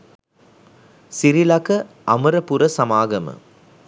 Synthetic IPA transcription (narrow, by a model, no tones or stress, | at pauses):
siɾilɐkɐ | ɐmɐɾɐpuɾɐsɐmaːɡɐmə̰